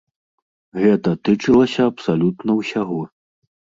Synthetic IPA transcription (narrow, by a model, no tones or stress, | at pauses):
ɣɛt̪ɐt̪ɨt͡ʂɨlˠɐsʲɐɐpsalʲut̪nɐwsʲaɣɔ